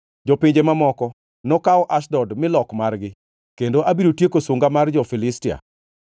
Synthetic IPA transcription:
d͡ʒopiɲd͡ʒemamɔkɔ | nɔkaɔʔaʃdɔdmɪlɔkmarɡɪ | kendoʔabiɾotjekoswoŋɡamard͡ʒɔfɪlɪstia̰

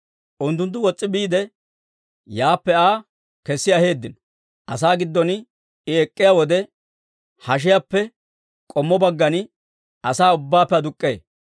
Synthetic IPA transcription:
ʔʊnt̪̬ːʊnt̪̬ːʊwɔt͡sʼːɪbiːd̪ɛ | jaːpːɛaː | kɛsːɪɐhe̞ːd̪ːɪnɔ | ʔɐsaːɡɪd̪ːɔn | ɪɛkʼːɪjawɔd̪ɛ | hɐʃ̬ɪjapːɛ | kʼɔmːɔbɐɡːɐnɪ | ɐsaːʊbːaːpːɛɐd̪ʊkʼːḛː

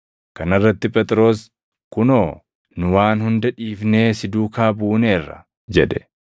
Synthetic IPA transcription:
kɐnɐrːɐt̪ːɪpʼɛt̪ʼɾo̞ːs | kʊnoː | nʊwaːnhʊnd̪ɐᶑiːfne̞ːsɪd̪uːkaːbuːne̞ːrːɐ̰ | d͡ʒɛᶑɛ̥

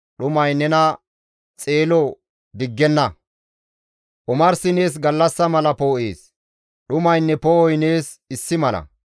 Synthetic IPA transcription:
ɗʊmɐjnɛnɐ | t͡sʼe̞ːlɔ | d̪ɪɡːɛnːɐ | ʔʊmɐɾsɪne̞ːs̬ɡɐlːɐsːɐmɐlɐpoːʔḛːs | ɗʊmɐjnːɛpoɔjneːs | ɪsːɪmɐlɐ̰

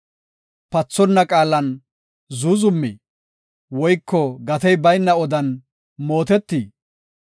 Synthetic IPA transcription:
pɐt͡sːɔnːɐkʼaːlɐn | zuzʊmːḭː | wɔjkʰːɔɡɐt̪ɛjbɐjnːɐɔd̪ɐn | mo̞ːt̪ɛt̪ːiː

